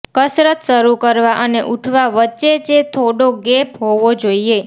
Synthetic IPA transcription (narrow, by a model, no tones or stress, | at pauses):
kəsɾət̪ʃəɾukəɾʋaʔəneʔuʈʰʋaʋətːʃet͡ʃet̪ʰoɽoɡepɦoʋod͡ʒoie